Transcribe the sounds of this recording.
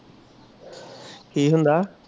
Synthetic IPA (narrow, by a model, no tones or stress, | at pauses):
hiːɦũːnd̪aː